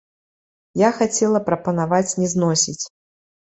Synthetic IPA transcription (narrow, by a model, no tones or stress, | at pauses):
jaxat͡sʲɛlˠɐpɾɐpɐnavat͡sʲnʲɛznɔsʲit͡sʲ